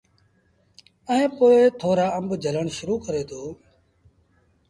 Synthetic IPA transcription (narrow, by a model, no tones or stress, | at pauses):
əɦẽːpoːeːt̪ʰoːɾaːəmbd͡ʒʱələɳʃʊɾuːkəɾeːt̪ʰoː